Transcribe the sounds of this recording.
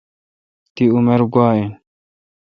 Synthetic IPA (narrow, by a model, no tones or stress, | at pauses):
t̪iumeɾɡaːe